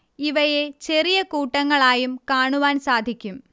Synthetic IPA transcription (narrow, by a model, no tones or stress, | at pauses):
iʋɐje̞t͡ɕe̞rijɐkuːʈːɐŋːɐɭaːjumkaːɳuʋaːnsaːd̪ʱikʲːum